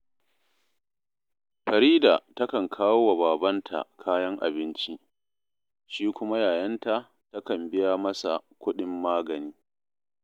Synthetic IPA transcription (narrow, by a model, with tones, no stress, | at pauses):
ɸɐ˨ɾiː˦daː˨tɐ˦kɐ˨ŋkʰaː˦wo˦wa˨baː˨bɐ˦ntʰa̰˨kʰaː˦jɐ˦ŋʔa̰˨bɪ˦nt͡ʃi˦ | ʃiː˦kʷʊ˦ma˦jaː˨jɐ˦nta˨ | tɐ˦kɐ˨mbɪ˦ja˦mɐ˦sa̰˨kʷʊ˦ɗɪ˦mːaː˦ɡɐ˨niː˦